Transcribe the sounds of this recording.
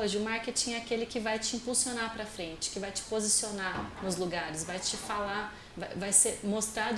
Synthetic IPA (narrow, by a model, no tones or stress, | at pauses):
oʒɪʊmaɾket͡ʃĩɛakelɪkɪvajt͡ʃɪĩpulsionapɾɐfɾẽnt͡ʃɪ̥kɪvajt͡ʃɪ̥pozisionanʊzluɡaɾɪsvajt͡ʃɪfala | vavajseɾmost̪ɾad̪